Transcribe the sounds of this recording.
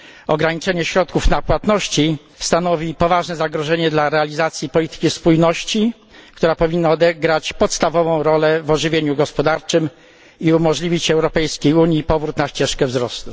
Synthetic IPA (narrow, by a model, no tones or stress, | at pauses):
ɔɡɾaɲit͡ʂɛɲɛɕɾɔt̪̚kufnapwat̪nɔɕt͡ɕi | st̪anɔvʲipɔvaʐnɛzaɡɾɔʐɛɲɛd̪laɾɛalʲizat̪sʲjipɔlʲit̪ɘ̥kʲispujnɔɕt͡ɕi | kt̪uɾapɔvʲinːaɔd̪ɛɡɾat͡ɕpɔt̪st̪avɔvɔ̃w̃ɾɔlɛvɔʐɘvʲjeɲuɡɔspɔd̪aɾt͡ʂɘm | iumɔʐlʲivʲit͡ɕɛwɾɔpɛjskʲejuɲjipɔvɾut̪naɕt͡ɕɛʂkɛvzɾɔst̪u